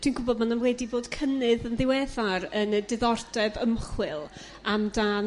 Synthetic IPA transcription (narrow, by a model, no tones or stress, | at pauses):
tʰiːnɡʊbɔd̚mananwɛdiboːd̥kʰənɨðənðɪwɛðaɾənədɪðɔrdɛvəmχwɨlˠ | amdaːn